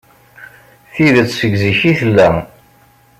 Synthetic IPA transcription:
θiðət͡sːsəɡziçiθəlːæ

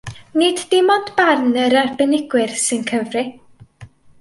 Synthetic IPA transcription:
nɪddɪmɔndb̥arnəɾarbɛnɪɡwɪrsɨnkʰəvrɪ

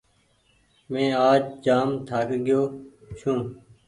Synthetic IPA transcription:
mẽːaːd͡ʒd͡ʒaːmt̪ʰaːkɡɪjoː | ʃũː

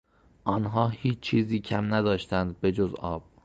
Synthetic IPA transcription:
ʔɒːnɦɒːhiːt͡ʃt͡ʃʰiːziːcʰæmnæd̪ɒːʃt̪ænd̪̚be̞d͡ʒozɒːb̥̚

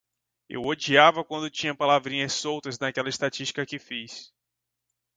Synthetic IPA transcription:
ḛwod͡ʒiavɐkwɐ̃nd̪ʊt͡ʃĩɲɐpalavɾĩɲɐssowt̪ɐznakɛlɐɪst̪at͡ʃiʃt͡ʃi̥kɐkɪfis

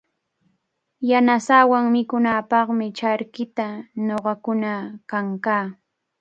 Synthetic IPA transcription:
janasaːwaŋmɪkʊnaːpɑχmɪt͡ʃaɾkɪt̪anoɢɑkʊnakaŋkaː

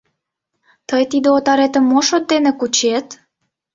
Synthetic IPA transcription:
t̪əjt̪id̪eot̪ɑɾet̪əmːoʃot̪̚ːenekut͡ɕet̪

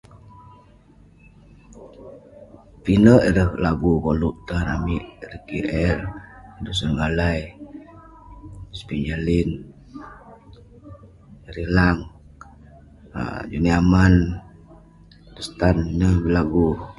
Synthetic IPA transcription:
pinəʔiɾəhlaɡukoluʔt̪anamiʔɾikiʔɛlidusənɡalaj | spind͡ʒalin | ɾilaŋ | a̰d͡ʒuniaman | dust̪aninəhbilaɡu

